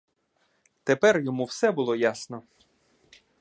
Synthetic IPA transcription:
t̪epɛrjɔmuwsɛbʊlˠɔjasnɔ

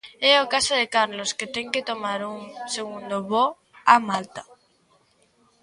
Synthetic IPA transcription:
ɛokasaðekaɾlosket̪ɛŋket̪omaɾuŋseɣund̪oβo | amalt̪ḁ

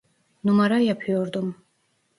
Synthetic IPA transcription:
numaɾajapʰijɔɾd̪um

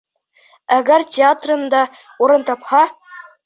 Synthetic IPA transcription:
æɡɘrʲtʲeat̪rɤ̆nd̪ɑ | uɾɤ̆nt̪ɑpχɑ

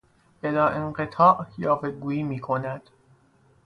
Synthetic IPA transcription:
ʔelɒːʔeɴɢet̪ʰɒːʔjɒːveɡuːiːmiːkʰo̞næd̪̥

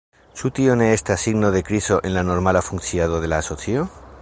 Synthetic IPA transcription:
sut̪ioneest̪easiɣnoðekɾisoʔẽnlanoɾmalafunθjaðoð̞e̞laːsoθjo

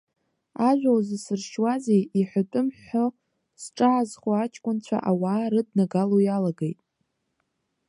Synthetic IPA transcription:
aʒᶣʷawzɨsɨrʃwazejiħʷatʼɨmħo | sʈ͡ʂʼaːzχʷoaat͡ʃʰʼkʷʼʊnt͡ɕʷʰa̰ʔawaːɾɨdnaɡalojalaɡejtʼ

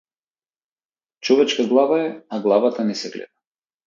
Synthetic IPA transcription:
t͡ʃɔvɛt͡ʃkaɡlˠavaɛaɡlˠavat̪anɛsɛɡlɛ̰d̪a

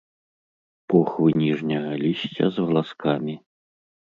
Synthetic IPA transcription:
pɔxvɨnʲiʐnʲɐɣɐlʲisʲt͡sʲɐ̰zvɐlˠaskamʲi

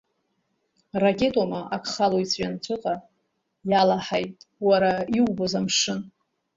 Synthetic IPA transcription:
rakʲʼe̞tʼomaʔakʰχaloit͡sʰʼɥant͡ɕʷʰʊqʼa | jalaħajtʼwaɾaiubozamʂɨn

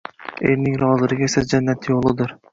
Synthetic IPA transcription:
elnɪŋɾɒzɪɾɪɡʲesad͡ʒanːat̪ʰjolˠɪd̪ɪɾ

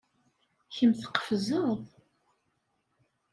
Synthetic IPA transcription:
çəmθə̥qːə̥fzəðˤ

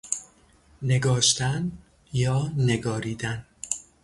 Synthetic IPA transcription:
ne̞ɡɒːʃt̪æn | jɒːne̞ɡɒːɾiːd̪æn

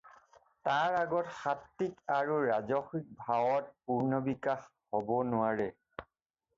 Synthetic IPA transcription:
taɹaɡɔtxatːikaɹuɹazɔxik̚bʱawɔt̚puɹnɔbikax | hɔbɔnʊaɹɛ

